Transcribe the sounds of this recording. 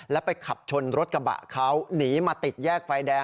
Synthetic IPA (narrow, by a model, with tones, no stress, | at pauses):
lɛ˦˥wpa˧jkʰa˨˩p̚t͡ɕʰo˧nɾo˦˥t̪̚ka˧ba̰˨˩ʔkʰa˦˥wniː˩˦maː˧t̪i˨˩t̪̚jɛː˥˩k̚faː˧jdɛː˧